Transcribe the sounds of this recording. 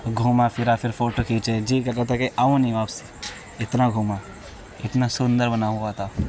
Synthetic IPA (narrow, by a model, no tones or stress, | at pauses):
ɡʱuːmafʰɪɾaːpʰɪɾfoːʈokʰiːt͡ʃed͡ʒiːkɐɾat̪akeʔaʋõnĩʋaːpsi̥ | ɪt̪naɡʱuːma | ɪt̪nasʊ̃nd̪əɾbɐnaɦuat̪ʰaː